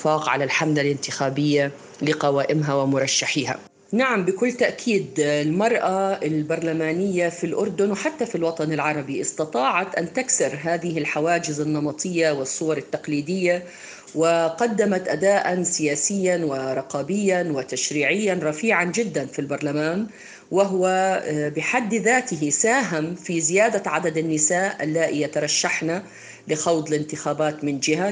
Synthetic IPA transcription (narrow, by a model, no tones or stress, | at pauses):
faːqʕa̰lalħamd̪alɪnt̪ɪxaːbɪjːa | lɪqɑwaːʔɪmɦawɪmʊɾˤɑʃːaħiːɦa̰ | naʕambɪkʊlːt̪aʔkʰiːd̪lmɑɾˤʔaɪlbɑɾˤlamaːnɪjːafilʔʊɾˤd̪ʊnwɪħat̪ːafilwɑt̪ˤɑnɪlʕɑɾˤɑbiʔɪst̪ɑt̪ˤɑːʕɑt̪ʔant̪aksɪɾˤɦaːðɪhɪlħawaːd͡ʒɪzɪnːɑmɑt̪ˤɨjːawɪsˤːʊwɑɾˤɪt̪ːaqliːd̪ɪjːa | wɪqɑd̪ːamat̪ʔad̪aːʔansɪjaːsɪjːanwɪɾˤɑqɑːbɪjːanwɪt̪aʃɾiːʕɪjːanɾˤɑfiːʕand͡ʒɪd̪ːanfilbɑɾˤlamaːn | wɪɦwabɪħad̪ːðaːt̪ɪɦɪsaːɦɪmfizɪjaːd̪aʕad̪ad̪anːɪsaːʔʔalːaːʔɪjat̪ɑɾˤɑʃːaħna | lɪxɑwd̪ˤlɪnt̪ɪxaːbaːt̪mɪnd͡ʒɪha